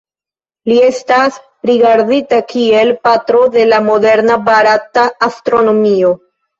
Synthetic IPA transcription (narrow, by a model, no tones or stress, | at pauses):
lie̞stas | ɾiɡaɾditakie̞lpatɾo̞de̞lamo̞de̞ɾnabaɾataːstɾo̞no̞mio̞